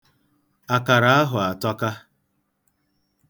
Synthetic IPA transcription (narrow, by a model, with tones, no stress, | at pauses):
a˨ka˨ɾa˨a˦ɦʊ˨a˨tɔ˦ka˦